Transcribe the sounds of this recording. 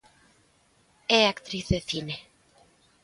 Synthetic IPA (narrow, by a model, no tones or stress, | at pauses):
eakt̪ɾiθðeθine